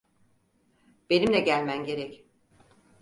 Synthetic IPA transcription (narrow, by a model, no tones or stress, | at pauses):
b̥enimlʲɛɟælʲmænɟe̞ɾɛc